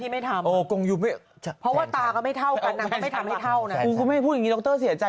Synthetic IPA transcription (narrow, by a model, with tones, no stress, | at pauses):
t̪ʰiː˥˩ma˥˩jt̪ʰa˧mʔoː˧˩ko˧ŋju˧˩ma˥˩ | t͡ɕʰpʰɔ˦˥waː˥˩t̪aː˧kɔː˥˩ma˥˩jt̪ʰa˥˩wka˧nːa˧kɔ˥˧˩ma˥˩jt̪ʰa˧mha˥˧˩t̪ʰa˥˩wna˦˥u˧˦kʰu˧ma˥˩˥pʰu˥˩t̚ja˨ŋi˨˦˧ɔ˧˥k̚t̪ɤː˥˩si˨˩˦ɐt͡ɕa˧